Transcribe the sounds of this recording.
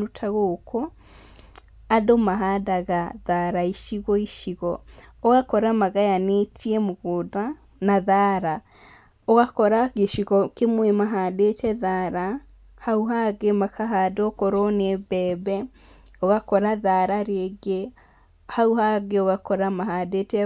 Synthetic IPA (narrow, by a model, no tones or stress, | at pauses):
utʰaɣokʰo | adomaɦadaɣaðaɾaiʃiɣɔiʃiɣɔoɣakɔɾamaɣajanetiɛmoɣoda | naðaɾa | oɣakɔɾaɣeʃiɣɔkemwemaɦaːdetɛðaɾa | hauɦaɣemakʰaɦadokoɾonebɛːbɛ | oɣakɔɾaðaɾaɾeɡe | hauhaɣeoɣakɔɾamaɦaːdetɛ